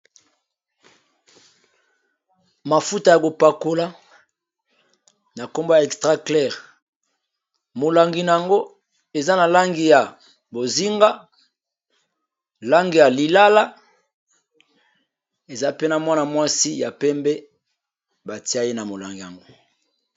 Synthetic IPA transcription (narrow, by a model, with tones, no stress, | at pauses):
ma˨fu˦ta˨ja˨ko˨pa˨ko˦la˦ | na˨ko˦mbo˦ja˨e˨kstʁa˦klɛ˦˨ʁ | mo˨la˨ŋɡi˨na˨ja˨ŋɡo˦ | e˨za˦na˨la˦ŋɡi˨ja˨ | bo˨zi˦ŋɡa˦ | la˦ŋɡi˨ja˨li˨la˦la˦ | e˨za˦pe˦na˨mwa˦na˨mwa˦si˦ja˨pɛ˦mbɛ˦ | ba˨ti˦a˦je˦na˨mo˨la̰˨ŋɡi˨ja̰˨ŋɡo˦